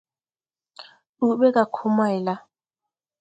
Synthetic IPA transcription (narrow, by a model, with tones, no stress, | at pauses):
u˨ɓɛ˦k̬ʼa˨kʰu˦ma˦i˨la˦